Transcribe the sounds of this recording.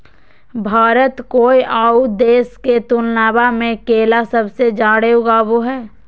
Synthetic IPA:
bʱaːɾət̪koːiʔaːud̪eːsket̪ulnaːbamẽkeːlasɐbsed͡ʒaːɽeoɡaʋoɦɛː

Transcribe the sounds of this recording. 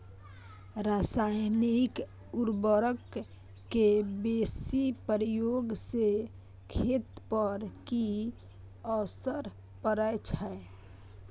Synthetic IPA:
ɾasajnik | ʊɾbəɾəkː | ebeːsipəɾjoɡse | kʰeːt̪pəɾki | ɔsəɾ | pəɾəjt͡ʃʰə

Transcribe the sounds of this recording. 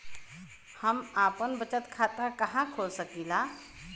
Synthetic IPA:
həmaːpənbət͡ʃət̪kʰaːt̪ãkɐɦãkʰoːlsəkiːlaː

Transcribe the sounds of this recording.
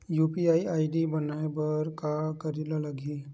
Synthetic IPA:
juːpiaːiaːɪɖibənaebəɾkakəɾilaləɡi

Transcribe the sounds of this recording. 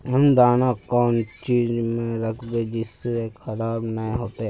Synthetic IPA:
ɦɐmd̪aːnakɔːnt͡ʃiːzmẽɾəkʰbed͡ʒɪsːeexɐɾaːbnəɦĩɦoːt̪eɦɛ

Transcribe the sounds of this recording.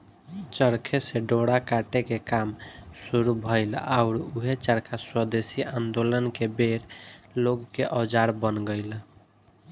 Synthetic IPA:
t͡ʃəɾkʰeseɖoɽakaʈekekamsuɾubʱəɪla̰ʊɾuɦet͡ʃəɾkʰaswəd̪esiʔãnd̪olənkebeɾloɡkeʔɔd͡ʒaɾbənɡəɪl

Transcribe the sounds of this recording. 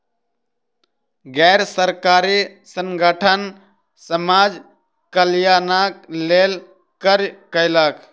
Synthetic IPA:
ɡɛɾsəɾkaɾisəŋɡəʈʰən | səmad͡ʒ | kəljanaklel | kəɾkəɪlək

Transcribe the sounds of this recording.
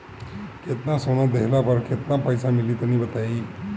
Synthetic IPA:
ket̪nãsonad̪eɦlapəɾket̪napəjsãmiliːt̪ənibət̪aiː

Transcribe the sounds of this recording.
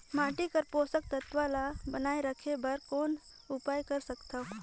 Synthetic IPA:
maːʈikəɾpoːsək̚t̪ət̪ʋalabənaːeɾəkʰebəɾkoːn | ʊpaːjkɐɾsəkt̪aɦo

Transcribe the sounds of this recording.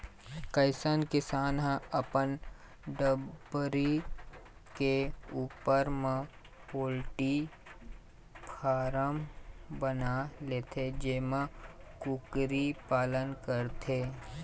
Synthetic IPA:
kəɪsənkɪsaːnɦə̃əpən | ɖəbɾi | keuːpəɾmẽ | poːlʈi | pʰaːɾəmbənaleːt̪ʰed͡ʒemə̃kʊkɾipaːlənkəɾt̪ʰeː

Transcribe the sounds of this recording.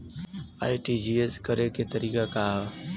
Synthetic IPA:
a̰ːiʈid͡ʒiːeskəɾeket̪əɾiːkakaːɦ

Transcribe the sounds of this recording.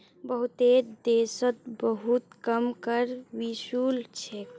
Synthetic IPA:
bəɦut̪eɾd̪esət̪̚bəɦut̪kəmkəɾʋisult͡ʃʰe

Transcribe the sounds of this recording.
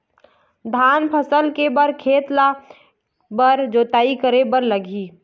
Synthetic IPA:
d̪ʱaːnpʰəsəlkebəɾkʰeːt̪la | bəɾd͡ʒoːt̪aːikəɾebəɾləɡʱiː

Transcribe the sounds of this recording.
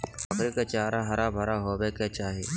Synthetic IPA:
əxɾiːkaːt͡ʃaːɾaːɦɐɾaːbʱɐɾaːɦoːbeːkeːt͡ʃaːɦeː

